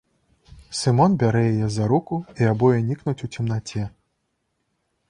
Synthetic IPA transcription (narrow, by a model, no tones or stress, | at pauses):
sɨmɔnbʲaɾɛjajɛzaɾukuiabɔjɛnʲiknut͡sʲut͡sʲimnat͡sʲɛ